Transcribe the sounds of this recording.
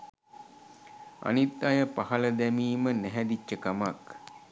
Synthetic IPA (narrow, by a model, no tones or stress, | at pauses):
a̰nit̪ːajəpaɦɐləd̪ɛmiːmənæɦɛd̪it͡ʃːəkamak